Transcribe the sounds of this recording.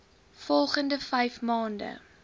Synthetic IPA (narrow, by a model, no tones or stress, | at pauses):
fɔlˠχəndəfɛjfmɑːndə̰